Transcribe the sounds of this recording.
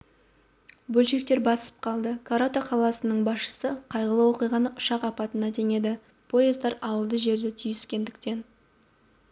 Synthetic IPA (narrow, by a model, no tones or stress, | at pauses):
bɵlʃe̞k̚t̪e̞ɾbɑsə̥p̚qʰɑlˠd̪əkʰoɾot̪aqʰɑlˠɑsənəɴbɑsʃə̥səqʰɑjʁəlˠəwo̞qijʁɑnəʔʊʃɑqɑpɑt̪ənɑt̪ʰe̞ŋe̞d̪ɪ | pʰo̞jezd̪ɑɾɑwəlˠd̪əʒe̞ɾd̪ɪt̪ʰʏjɪskʲe̞nd̪ɪk̚t̪e̞n